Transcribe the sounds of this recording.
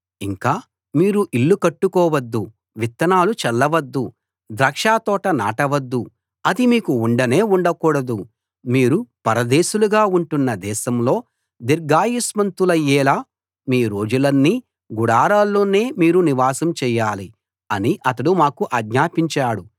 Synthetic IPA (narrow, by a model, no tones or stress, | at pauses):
iŋkaː | miːɾuʔilːukɐʈːukɔːʋɐd̪ːu | ʋit̪ːɐnaːlut͡ʃɛlːɐʋɐd̪ːu | d̪ɾɐkʂaːt̪ɔːʈɐna̰ːʈɐʋɐd̪ːu | ɐd̪imiːkuuɳɖɐneːuɳɖɐkuːɽɐd̪u | miːɾupɐɾɐd̪eːʃuluɡaːuɳʈunːɐd̪ɛːʃɐmlo̞ː | d̪iɾɡaːjismɐnt̪ulɐjɛːlaː | miːɾo̞ːd͡ʒulɐnːi | ɡuɽaːɾaːlːoːne̞ːmiːɾuniʋaːsɐmt͡ʃɛːjaːli | ɐniʔɐt̪ɐɽumaːkuʔɐːɡɲaːpiɲt͡ʃaːɽu